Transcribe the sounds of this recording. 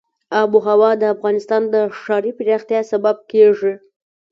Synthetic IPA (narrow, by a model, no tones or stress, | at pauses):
ɑbuɦawɑd̪əafɣɑnɪst̪ɑnd̪əʂɑɾipɪɾɑxt̪jɑsabab̚keʐi